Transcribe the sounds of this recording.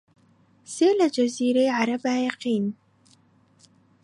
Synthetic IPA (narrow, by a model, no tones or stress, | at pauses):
seːlad͡ʒaziːɾeʕaɾabaːjɑqiːn